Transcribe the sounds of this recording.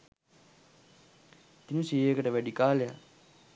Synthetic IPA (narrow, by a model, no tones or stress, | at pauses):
t̪inusijekəʈəʋæɖikaːleja